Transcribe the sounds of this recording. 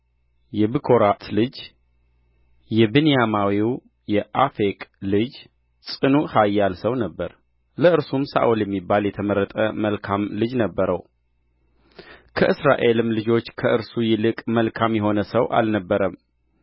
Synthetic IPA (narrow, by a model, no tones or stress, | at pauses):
jɛbɨkʰo̞ɾat̪ʰlɨd͡ʒ | jɛbɨnijamawiw | jɛʔafekʼlɨd͡ʒ | sʼɨnuhajːalsəwnəbːəɾ | ləʔɨɾsumsa̰ʔuljɛmːibːaljɛt̪ʰəməɾːət̪ʼəməlkʰamlɨd͡ʒnəbːəɾəw | kʰəʔɨsɾa̰ʔe̞lɨmlɨd͡ʒo̞t͡ʃːkʰəʔɨɾsujɪlɨkʼməlkʰamjɛɦo̞nəsəwʔa̰lnəbːəɾəm